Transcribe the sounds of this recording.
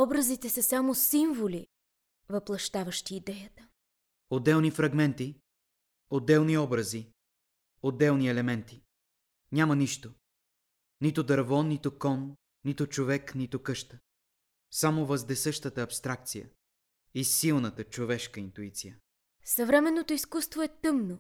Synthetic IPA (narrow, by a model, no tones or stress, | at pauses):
ɔbɾəzit̪ɛsəsamosiɱvoli | vɐplˠɐʃt̪avəʃt̪iːd̪ɛjət̪ə̥ | od̪ːɛlˠnifɾɐɡmɛnt̪i | od̪ːɛlˠniɔbɾəzi | od̪ːɛlˠniɛlɛmɛnt̪i̥ | nʲamɐniʃt̪o | nit̪ʊd̪ɐɾvɔnːit̪ʊkɔnː | it̪ʊt͡ʃovɛknit̪ʊkɤʃt̪ə̥ | samovəzd̪ɛsəʃt̪ət̪əːpst̪ɾak̚t̪sijə̰ | isilˠnət̪ət͡ʃovɛʃkəint̪uit̪sijə | sɐvɾɛmɛnːot̪oiskust̪voɛt̪ɤmno